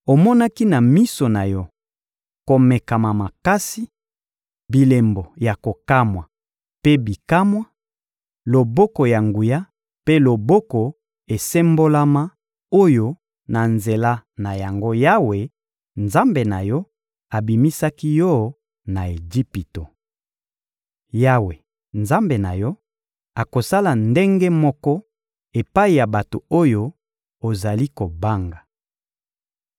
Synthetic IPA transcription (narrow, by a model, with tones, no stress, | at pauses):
o˨mɔ˦na˦ki˦na˨mi˦so˨na˨jɔ˦ | ko˨me˨ka˨ma˨ma˨ka˦si˦ | bi˨le˨mbo˨ja˨ko˨ka˦mwa˨ | pe˦bi˨ka˦mwa˦ | lo˨bɔ˦ko˨ja˨ŋɡu˨ja˦ | pe˦lo˨bo˦ko˨ | e˨se˦mbo˦la˦ma˦ | o˦jo˦ | na˨nze˨la˦na˨ja˨ŋɡo˦ja˦we˨ | nza˦mbe˨na˨jɔ˦ | a˨bi˨mi˦sa˦ki˦jɔ˦˨ | na˨e˨d͡ʒi˦pi˨to˨ | ja˦we˨ | nza˦mbe˨na˨jɔ˦ | a˨ko˨sa˦la˨nde˦ŋɡe˦mɔ˦kɔ˦ | e˨pa˦i˨ja˨ba˨to˨o˦jo˦ | o˨za˨li˦ko˨ba˦ŋɡa˨